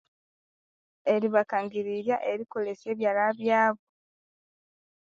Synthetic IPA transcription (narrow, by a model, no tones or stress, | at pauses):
e̞ɾiβakaŋɡiɾiɾjaʔe̞ɾiko̞le̞se̞ːβjalaβjaːβo